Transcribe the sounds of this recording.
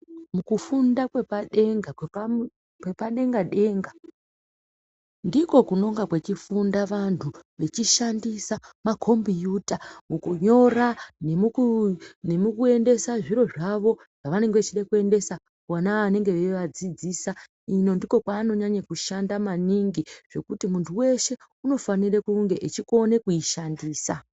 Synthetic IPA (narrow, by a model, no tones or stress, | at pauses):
mukufundakwe̞paɗe̞ŋɡa | kwepaɗe̞ŋɡaɗe̞ːŋɡa | ndiko̞kuno̞ŋɡakwe̞t͡ʃifundaʋantʰuʋe̞t͡ʃiʃandisamakʰo̞mbijuːtamukuɲo̞ranemukunemukue̞nde̞saʐiɾo̞ʐaʋo̞ | ʐ̥aʋane̞ŋɡeet͡ʃiɗakue̞nde̞sa | wanaːne̞ŋɡe̞ʋeʋad͡zid͡ziːsa | ino̞ndiko̞kwaːno̞ɲaɲakuʃandamaniŋɡiʐ̥e̞kutimuntʰuwe̞ʃe̞uno̞fanirekuŋɡe̞ʔet͡ʃiko̞ne̞kujiʃandiːsa